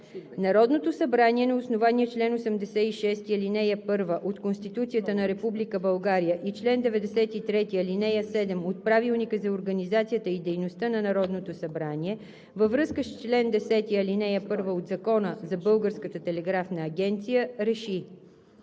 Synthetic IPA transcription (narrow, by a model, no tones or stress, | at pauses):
nɐɾɔd̪not̪osɐbɾaniɛnɐosnovaniɛt͡ʃlɛnosɛmd̪ɛsɛiʃɛst̪iɐlinɛjəpɤɾvəʔot̪konst̪it̪ut̪sijət̪ənɐɾɛpublikəbɐlˠɡaɾijəʔit͡ʃlɛnd̪ɛvɛd̪ɛsɛt̪it̪ɾɛt̪iɐlinɛjəsɛd̪ɛmot̪̚pɾavilˠnikəzɐoɾɡɐnizat̪sijət̪əid̪ɛjnost̪ənɐnɐɾɔd̪not̪osɐbɾaniɛ | vəvɾɤskəst͡ʃlɛnd̪ɛsɛt̪iɐlinɛjəpɤɾvəod̪zɐkɔnəzɐbɤlˠɡəɾskət̪ət̪ɛlɛɡɾafnɐːɡʲɛnt̪sijəɾɛʃi